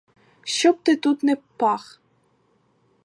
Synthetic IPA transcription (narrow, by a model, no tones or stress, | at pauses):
ʃt͡ʃɔb̚t̪ɪt̪ut̪nɛpɑx